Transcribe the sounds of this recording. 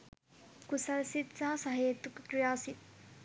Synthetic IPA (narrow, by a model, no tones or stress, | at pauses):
kusɐlsit̪saːsɐɦɐjɐt̪ːukkɾijaːsi